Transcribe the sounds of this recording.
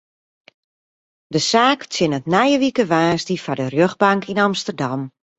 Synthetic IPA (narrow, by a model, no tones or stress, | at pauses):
dəsaːkt͡sjɪnətnɛjəʋikəʋaːsdifadərjøɣbaŋkʰinamstərdam